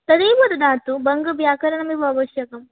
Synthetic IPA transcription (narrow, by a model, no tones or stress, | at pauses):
t̪ɐd̪iːʋɐd̪ɐd̪aːt̪ubɐŋɡɐʋjaːkɐɾɐɳɐmiʋɐɐʋɐʃjɐkɐm